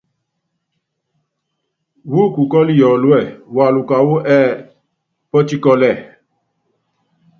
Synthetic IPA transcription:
wu˦˨ku˨kɔ˦li˦˨jɔ˨lu˦ɛ˦˨wa˨lu˨ka˨wo˦ʔɛ˦˨ | pɔ˦t͡ʃi˦kɔ˧lɛ˨

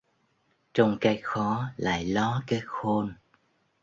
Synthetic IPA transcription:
t͡ɕɔ˧wŋ͡mkaː˨˦jxɔ˨˦la̰ː˧˨jlɔ˨˦kaː˨˦jxo˧n

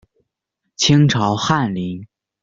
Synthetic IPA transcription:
t͡ɕʰi˥ŋʈ͡ʂʰɑ˧˥ʊxa˥˩nli˧˥ŋ

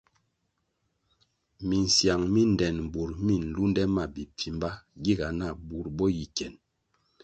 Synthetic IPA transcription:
mi˨n̩˨sja˨ŋmi˦n˨dɛ˨nm˨bu˨ɾmi˦˨n̩˨lu˦ndɛ˦ma˨bi˨p͡fi˨mba˦ɡi˦ɡa˨na˦˨bu˨ɾbɔ˦ji˨kɛ˨n

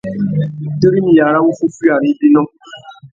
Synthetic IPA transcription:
te˦ɾi˦nĩ˨ja˨ɾa˦wo˦fu˦fi˦a˨ɾĩ˨˦bi˦nɔ̃˦

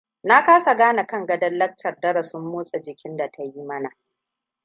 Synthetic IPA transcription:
na˦kaː˦sa˨ɡaː˦na˨kɐ˦ŋɡɐ˦dɐ˦lːɐ˦k̚tɐ˨rdɐ˦ɾɐ˨sʊ˦mːoː˦sʼɐ˨d͡ʒɪ˨kʲɪ˦nda˨tʰa˦ji˦mɐ˦na˨

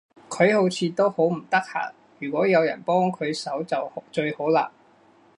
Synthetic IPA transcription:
kʰɵ˨˧ɥho˨˥wt͡sʰiː˨˧t̪o˥who˨˥wm̩˨˩t̪ɐ˥k̚ha̰ː˨˩ | jyː˨˩kʷɔː˨˥jɐ˨˧wjɐ̰˨˩npɔː˥ŋkʰɵ˨˧ɥsɐ˨˥wt͡sɐ˨wt͡ʃɵ˧ɥho˨˥wla̰ː˧

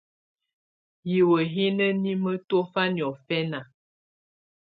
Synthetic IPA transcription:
ji˨wə˨ɦe˦nə˦ni˦mə˦to˦fa˦njɔ˨fɛ˦na˨

